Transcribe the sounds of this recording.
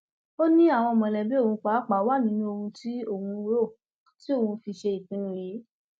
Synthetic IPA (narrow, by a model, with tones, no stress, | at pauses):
o˦nĩ˦a˦˨w̃ɔ̃˧˨mɔ̃˨lɛ˨bi˦o˦˨hũ˧k͡pa˨˦k͡pa˨˦wa˦˨nĩ˦nũ˦o˧hũ˧ti˦o˦˨hũ˧˦˧wo˦˨ | ti˦o˦˨ũ˧fi˧ʃe˧i˨k͡pĩ˨˦nũ˧˦je˨˦